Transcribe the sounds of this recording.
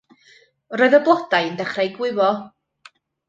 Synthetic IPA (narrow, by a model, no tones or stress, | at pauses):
roːɨðɔblˠɔd̥ajəndɛχrajɡwɪvɔ